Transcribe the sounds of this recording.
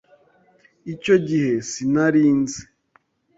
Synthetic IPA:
ico̞ɟihe̞sinaɾiːnze̥

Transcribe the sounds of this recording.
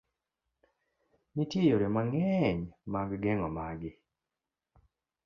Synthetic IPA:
nitjejoɾɛmaŋɛɲmaɡɡɛŋɔmaɡɪ

